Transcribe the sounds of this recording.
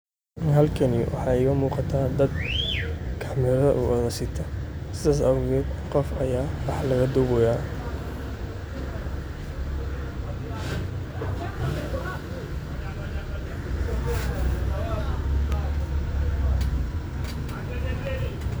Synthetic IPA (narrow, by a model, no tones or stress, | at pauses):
ɪnɦɐlkʰɐniwʔɑ̰ħɑːɛɣɐmuːqɑt̪ʰaːd̪ɐd̪̚ | kʰɑ̥mɛɾɐ̰ʔṵːʔɔðɐsɪt̪ʰɐ | sɪðaːs̬ɐwʊɣɛqɔfɐjaːwɑħlɐɣɐd̪ʊβɔjaː